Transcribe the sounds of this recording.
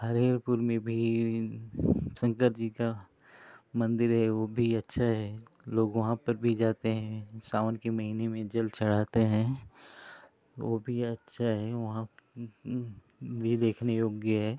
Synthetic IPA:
ɦəɾeːɾpuɾmẽbʱi | sə̃ŋkəɾd͡ʒika | mɐ̃nd̪ɪɾɦɛʋoːbʱiɐtːʃʰaɦɛloːɡʋɐɦãpɐɾbʱid͡ʒaːt̪eɦɛ̃saːʋənkemɐɦiːnemẽd͡ʒɐlt͡ʃʰɐɽ̤aːt̪eɦɛ̃ | t̪ʋoːbʱiɐtːʃʰaɦɛʋɐɦã | bʱid̪eːkʰnejoːɡjəɦɛː

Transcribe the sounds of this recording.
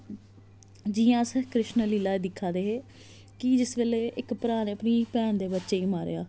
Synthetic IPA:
d͡ʒiːãːsəkɾɪʃnliːlaːeːd̪ɪkʰːaːd̪eːɦeː | kɪd͡ʒɪsʋeːleːʔɪkpɾaːneːəpniːpɛːnd̪eːbətːʃeːiːmaːɾḛːaː

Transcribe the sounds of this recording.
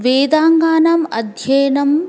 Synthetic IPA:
ʋeːd̪aːŋɡaːnɐmɐd̪ʱjɐjnɐm

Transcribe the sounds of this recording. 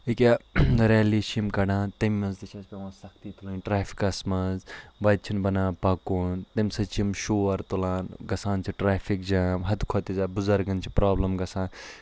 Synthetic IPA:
ikʲaɾeːliːʃimkɐɽãːt̪ɐmːɐ̃nzt̪it͡ʃʰɐspʲeʋãːsɐk̚ʰt̪iːt̪ʰulunʲʈɾaːpʰi̥kɐsmɐzʋɐd̪̚t͡ʃʰinbɐnãːpɐkunt̪ɐmsɐt͡ʃʰimʃoːɐɾt̪ulãːnɡɐsãːnt͡ʃʰiʈɾaːfʰik̚d͡ʒaːɦɐd̪kʰot̪izaːbuzɐɾɡɐnt͡ʃʰipɾaːblɐmɡɐsãːn

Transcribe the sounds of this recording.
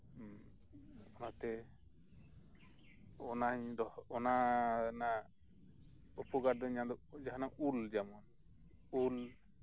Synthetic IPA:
ɔnat̪ɛ | ɔnaɲd̪ɔɔnana | upɔɡaɾd̪ɔɲãd̪ɔd͡ʒaɦanaʔuld͡ʒamɔn | ul

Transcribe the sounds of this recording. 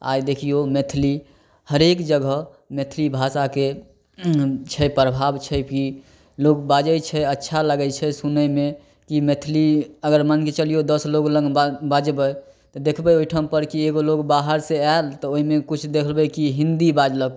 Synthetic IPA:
a̰jd̪ekʰijomet̪ʰli | həɾekd͡ʒəɡə | met̪ʰlibʱasake | t͡ʃʰɛpɾəbʱabt͡ʃʰɛki | loɡbad͡ʒəjt͡ʃʰɛətːʃʰaləɡəjt͡ʃʰɛsunəme | kimet̪ʰliəɡəɾmənket͡ʃəlijod̪əsloɡləŋɡbbad͡ʒbəj | t̪ɔd̪ekʰbəjoiʈʰəmpəɾkieɡoloɡbaɦəɾsealt̪ɔoɦimekut͡ʃʰd̪ekʰlbəkiɦĩnd̪ibad͡ʒləɡ

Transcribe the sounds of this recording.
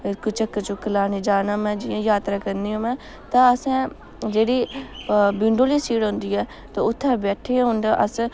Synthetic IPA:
kʊt͡ʃəkːt͡ʃʊkːəlaːneːd͡ʒaːnaːmɛ̃ːd͡ʒɪjãːjaːt̪ɾaːkəɾniːõːmɛ̃ː | t̪ãːəsɛ̃ː | d͡ʒeːɽiː | bɪɳɖoːliːsiːɽɦõːnd̪iːɛː | t̪ãːʊt̪ʰːɛ̃ːbɛːʈʰeːɦʊ̃nd̪aːʔəs

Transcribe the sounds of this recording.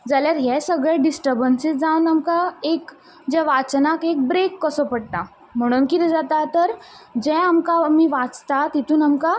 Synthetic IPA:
d͡zaljaɾɦɛsəɡɭeɖisʈəɾbənsid͡zawnamkaek | d͡ʑɛʋat͡snakek̚bɾekːəsəpəɽt̪a | m̤əɽ̃uːnkit̪ɛd͡zat̪at̪əɾd͡ʑɛ̃amkamiːʋat͡st̪at̪it̪ʰuːnamka

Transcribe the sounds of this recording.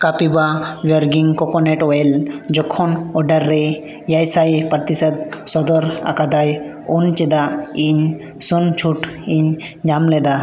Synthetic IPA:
kapibaʋəɾɡiŋkɔkɔneʈɔjld͡ʒɔkʰːɔnɔɖəɾːe | jajsaipɾt̪isət̪̚sɔd̪ɔɾa̰kad̪aj | unt͡ʃid̪aiɲ | sunt͡ʃʰuʈiɲ | d͡ʒamlɛd̪a

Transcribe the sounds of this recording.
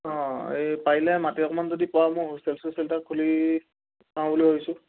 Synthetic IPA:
ɔ̃epailɛmatiɔkmanzodipɔwamojɦoselsʊ̃sɛltakʰuli | sãw̃buliɦojsʊ̃

